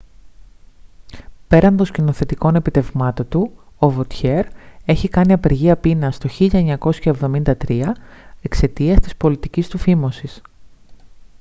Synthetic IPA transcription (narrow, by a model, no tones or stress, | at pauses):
pe̞ɾɐnd̪o̞scino̞θe̞t̪iko̞ne̞pit̪e̞vmɐt̪o̞nt̪u | ovot̪çe̞ɾe̞çikɐniɐpe̞ɾʝiɐpinɐst̪o̞çiʎɐeɲɐko̞sçɐe̞vðo̞mind̪ɐt̪ɾiɐe̞kse̞t̪iɐst̪i̥spo̞lit̪icist̪ufimo̞sis